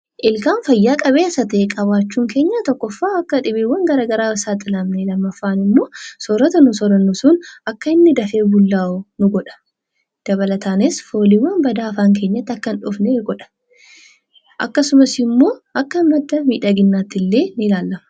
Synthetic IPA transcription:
ʔɪlkaːnfɐjːaːkʼɐβe̞ːsɐt̪ːkʼɐβaːt͡ʃːuːŋke̞ːɲːat̪ɔkːɔfːaːɐkːɐᶑɪbiːwːɐŋɡɐɾaːɡɐɾaːɪsaːt̪ʼɪlɐmnelɐmːɐfːaːnɪmːo̞ːsɔɾɔt̪ɐnʊsɔɾɐnːʊsʊnɐkːɐɪnːɪd̪ɐfe̞ːbʊlːaːʊnʊɡɔᶑɐ̥ | d̪̥ɐβɐlɐt̪ʰaːnɪsfo̞ːliwːɐnbɐd̪aːɐfaːŋke̞ːɲːɐt̪ːɐkːɐnᶑʊfneɡɔᶑɐ̥ | ʔɐ̰kːɐsʊmɐsɪmːo̞ːɐkːɐnːɐd̪ːɐmiːᶑɐɡɪnːaːt̪ːɪlːe̞ːnɪlaːlːɐmɐ̥

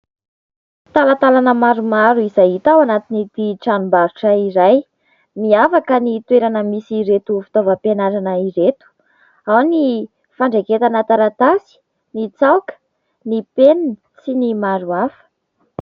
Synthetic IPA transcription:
t̪alat̪alanəmaɾumaɾuizajit̪awanat̪init̪iʈ͡ʂanumbaɾuʈ͡ʂəiɾaj | miafakənit̪weɾanəmisiɾet̪ufi̥t̪ovəpenaɾanəiɾet̪u̥ | awni | faɳɖ͡ʐeket̪anət̪aɾat̪asi̥ | nit͡sawkə̥ | nipenni | t͡sinimaɾuafə̥

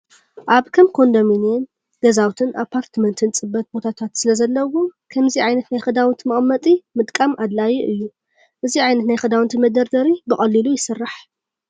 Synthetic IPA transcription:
ʔaβkʰɐmkʰo̞nd̪ominen | ɡ̥̪ɐzawt̪ʰɨnʔapʰːaɾt̪ʰmɐnt̪ʰɨnt͡sʼɨbːɐt̪̚bo̞t̪ʰat̪ʰat̪sɨlɐzɐlːɐwokʰɐmziʕajnɐt̪najxɨd̪awɨnt̪ʰimɨχʼmːɐt̪ʼimɨd̪kʼamʔad̪lajiʔɨjːu | ʔɨziʕajnɐt̪najxɨd̪awɨnt̪ʰɨmɐd̪ɐɾd̪ɐɾibɨχʼɐlːilujɪsɨrːaħ

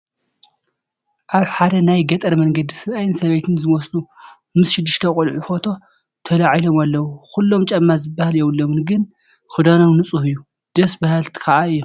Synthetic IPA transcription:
ʔaβħad̪ɐnajɡɐt̪ʼɐɾmɐŋɡɐd̪isɨlajnsɐβejt̪ʰɨnzɨmɔslu | mɨsʃɪd̪ːɨʃt̪ʰɐkʼʊlʕufo̞t̪ʰo̞ | t̪ʰɐlaʕilo̞malːɐwukulːo̞mt͡ʃʼɐmːazɨbːahaljɛwulːomɨnɡɨn | xɨd̪anomnɨt͡sʼuhɨjːu | d̪̥ɐsbahalt̪ʰi̥kʰɐʔaɨjːo

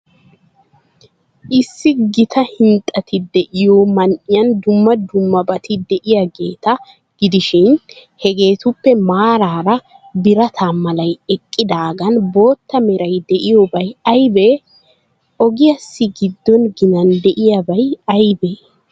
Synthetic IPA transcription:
ʔɪsːɪɡɪt̪ʰɐhɪnt̪ʼːɐt̪ɪd̪ɛʔɪjomɐnʔɪjɐnd̪ʊmːɐd̪ʊmːɐbɐt̪ɪd̪ɛʔɪjaɡeːt̪ɐ | ɡ̥ɪd̪ɪʃɪnhɛɡe̞ːt̪ʊpːɛmaːɾaːɾɐ | bɪɾɐt̪ʰaːmɐlɐjɛkʼːɪd̪aːɡɐnbo̞ːt̪ːɐmɛɾɐjd̪ɛʔɪjɔbɐjɐjbe | ʔɔɡɪjɐsːɪɡɪd̪ːɔnɡɪnɐnd̪ɛʔɪjabɐjɐjbeː

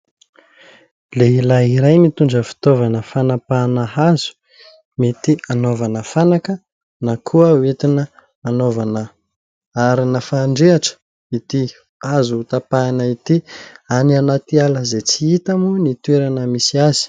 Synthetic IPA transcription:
leilaɦiɾajmit̪uɳɖ͡ʐəfi̥t̪ovanəfanapanəɦazu̥ | mit̪ianovanəfanakə | nakʰuəwet̪inə | anovanə | aɾinafaːɳɖ͡ʐeaʈ͡ʂə̥ | it̪i | azuut̪apanəit̪iananat̪ialəzet͡siit̪amunit̪weɾanəmisiazi̥

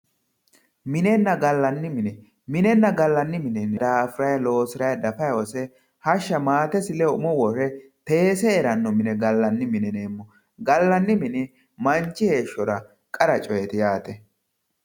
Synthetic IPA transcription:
mɪnɛnːɐɡɐlːɐnːɪmɪnɛ | mɪnɛnːɐɡɐlːɐnːɪmɪnɛnɛd̪aːfɪɾɐjɐlo̞ːsɪɾɐjɐd̪ɐfɐjwɔsɛ | hɐʃːɐmaːt̪ɛsɪlɛʊmɔwɔrɛt̪e̞ːsɛːɾɐnːɔmɪnɛɡɐlːɐnːɪmɪnɛneːmːɔ | ɡɐlːɐnːɪmɪnɛ | mɐnt͡ʃːɪhe̞ːʃːɔɾɐ | kʼɐɾɐt͡ʃʼɔjɛt̪ɪjaːt̪ɛ

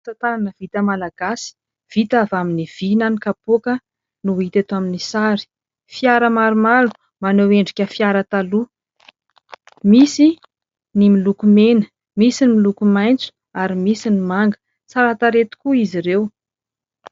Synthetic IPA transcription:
t͡sat̪ananəv̥it̪əmalaɡ̥asi̥ | v̥it̪avaminiv̥inanikapuokə | nuit̪et̪aminisaɾi̥ | fiaɾəmaɾumalu | maneweɳɖ͡ʐikʲəfiaɾət̪alu | misi | nimilukumenə̥ | misinimilukumajnt͡su̥ | aɾimisinimaŋɡə̥ | saɾat̪aɾet̪u̥kuiziɾew

